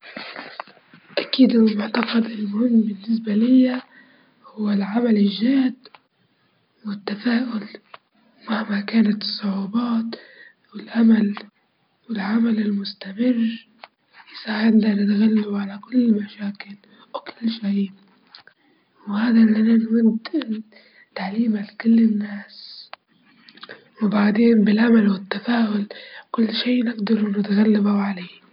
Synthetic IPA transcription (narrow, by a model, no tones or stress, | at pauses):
ʔakiːd̪ɪnmʊʕt̪ɑqɑd̪ʔɪnlmʊhɪmːbɪnːɪs̬balɪjːa | hʊwːalʕamalɪʒːaːd̪ | wɪt̪ːafaːʔʊl | maʕmakaːnat̪ɨ̥sˤːʊʕuːbɑːt̪ | wɪlʔamal | wɪlʕamalɪlmʊst̪amɪrː | jɪsaːʕɪd̪lanɪt̪ɣalːaʕalakʊlːmaʃaːkɪl | wkɪlːʃiː | whaːd̪alːananmʊnd̪ɪ | t̪aʕliːmalkʊlːɪnːaːs | wɪbaʕd̪eːnbɪlʕamalwɪt̪ːafaːʔʊlkʊlːʃiːʔnɪɡd̪ɑɾˤunɪt̪ɣalːabaʕaleː